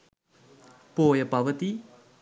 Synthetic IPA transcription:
poːjəpɐʋət̪i

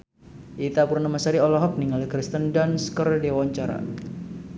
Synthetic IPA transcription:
ʔit̪akurnamasaɾiɔlɔɦɔk̚niŋalikɾist̪əndanskərdiwaɲt͡ʃaɾa̰

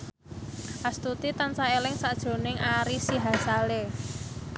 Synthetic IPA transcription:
ʔast̪ut̪it̪ant͡ʃaelɪŋsaʔd̥ʒ̥o̤nɪŋʔaɾisiɦasale

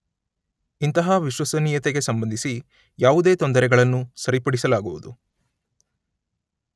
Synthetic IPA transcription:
int̪ɐɦɐʋiʃwɐsɐniːjɐt̪eɡe̞sɐmbɐnd̪ʱisi | jaːʋud̪e̞ːt̪ɔnd̪ɐɾɛɡɐɭɐnːusɐɾipɐɽisɐlaːɡuʋud̪u

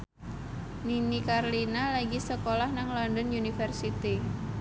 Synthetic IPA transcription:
ninikarlinalaɡisəkolahnaŋlɔndɔnunifɛrsit̪i

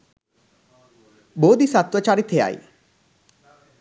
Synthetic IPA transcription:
boːd̪isat̪wɔt͡ʃaɾit̪ʰea̰j̰

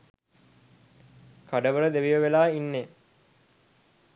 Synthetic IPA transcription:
kaɖəʋəɾəd̪eʋijəʋelaːinːe

